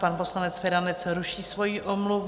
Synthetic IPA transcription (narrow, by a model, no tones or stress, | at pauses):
panposlanɛt͡sfɛɾanɛt͡sɾuʃiːsvo̞jiʔomluv